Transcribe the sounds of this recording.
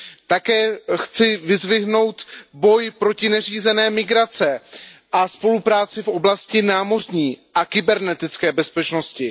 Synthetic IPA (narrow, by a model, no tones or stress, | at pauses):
t̪akɛːxt͡sɪvɪzvɪɦno̞wt̪bo̞jpɾo̞cɪnɛriːzɛnɛːmɪɡɾat͡sɛʔaspo̞lupɾaːt͡sɪfʔo̞blascɪnaːmo̞r̝ɲiːʔakɪbɛɾnɛt̪ɪt͡skɛːbɛspɛt͡ʃno̞scɪ